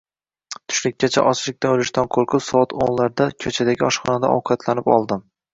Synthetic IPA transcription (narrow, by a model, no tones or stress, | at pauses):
t̪ʰʊ̥ʃlɪk̚ʲːat͡ʃʰa̰ʔɒt͡ʃlɪk̚ʲt̪ʰaolɪʃt̪ʰanqʰoɾqʰɨpsɒat̪ʰo̰nlaɾd̪akʲʰɵt͡ʃʰad̪aɡʲɪɒʃχɒnad̪a̰ʔɒ̰wqʰɑt̪ʰlanɪpɒ̰lˠd̪ɪm